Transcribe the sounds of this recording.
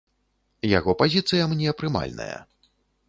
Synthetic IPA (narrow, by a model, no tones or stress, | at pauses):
jaɣɔpazʲit̪sɨjɐmnʲɛɐpɾɨma̰lʲnɐ̰jɐ̰